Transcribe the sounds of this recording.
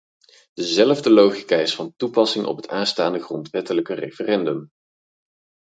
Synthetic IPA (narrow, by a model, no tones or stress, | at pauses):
d̥əzɛləvdəlowχikaːɪsfɑntupɑsɪŋʔɔ̰pɦətaːnstaːndəχrɔntʋɛtələkərejfərɛndɵm